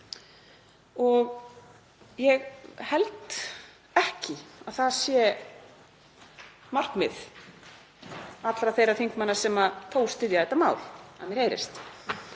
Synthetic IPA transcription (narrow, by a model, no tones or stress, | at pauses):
ɔɣ | jɛɣhɛlt̪ | ɛhcɪaðθaðsjɛ | mar̥kmɪ̰ð | at̪lɾaθejɾaɾθiŋkmanːaɾsɛmaθʰoːwst̪ɪðjaɛt̪ːamaːwla̰mɛɾheːjɾɪ̰st̪